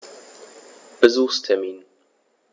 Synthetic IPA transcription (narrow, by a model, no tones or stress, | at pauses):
b̥əzəstʰɛmin